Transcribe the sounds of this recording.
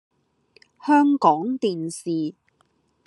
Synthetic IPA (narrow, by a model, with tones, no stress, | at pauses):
hœː˥ŋkɔː˨˥ŋt̪iː˨nsiː˨